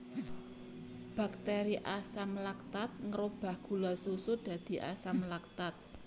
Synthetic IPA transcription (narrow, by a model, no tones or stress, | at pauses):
b̥a̤k̚t̪eɾiʔasamlak̚t̪at̪̚ŋəɾob̥a̤hɡ̥ulasusʊd̪̥ä̤d̪̥i̤ʔa̰samlak̚t̪at̪̚